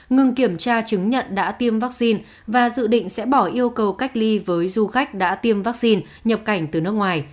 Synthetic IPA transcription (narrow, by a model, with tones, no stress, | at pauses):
ŋɨ˨˧˩ŋki˧˩əmt͡ɕaː˧t͡ɕɨ˨˦ŋɲə̰˧˨nɗa̰ː˧˥t̪i˧əmvaː˦˥k̚si˧n | vaː˨˩zɨ̰˧˨ɗḭ̈˧˨ŋ̟sɛ̰˧˥ɓɔ˧˩ʔi˧əwkə˨˩wka˦˥jk̟̚li˧vəː˨˦jzu˧xa˦˥jk̟̚ɗa̰ː˧˥t̪i˧əmvaː˦˥k̚si˧n | ɲə˨˩p̚ka˧˩jŋ̟t̪ɨ˨˩nɨ˦˥kŋwaː˨˩j